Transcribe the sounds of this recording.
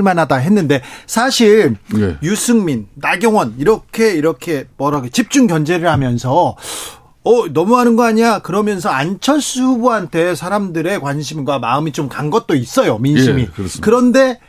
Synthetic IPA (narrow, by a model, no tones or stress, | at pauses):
ɭmanɦadaɦe̞nːɯnde̞sʰaɕʰiɾjusʰɯŋminːaɡjʌŋwʌniɾʌkʰe̞iɾʌkʰe̞mʌɾaɡet͡ɕip̚t͡ɕ͈uŋɡjʌnd͡ʑe̞ɾɯɭhamjʌnsʰʌ | ʌnʌmuɦanɯnɡʌaɲiakɯɾʌmjʌns̬ʰʌant͡ɕʰʌs͈ubuɦantʰe̞sʰaɾamdɯɾe̞kwanɕ̬ʰimɡwamaɯmit͡ɕomkaŋɡʌt̚t͈ois͈ʌjominɕimikɯɾʌnde̞